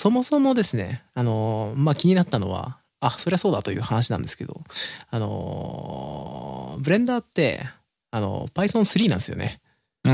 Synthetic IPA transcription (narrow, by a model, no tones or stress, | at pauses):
so̞mo̞so̞mo̞d̪e̞sɨne̞̰ano̞makʲiɲ̟inat̪ːano̞̰βa̰ | aso̞ɾe̞aso̞ːd̪at̪o̞jɯ̟̰ːhanaɕ̬inã̰nd̪e̞sɨ̥ke̞d̪o̞̰ano̞̰ | bɯɾẽ̞nd̪aːt̪ːe̞̰ | ano̞̰paisõɰ̃sɨɾʲiːnãnd̪esɨjone̞̰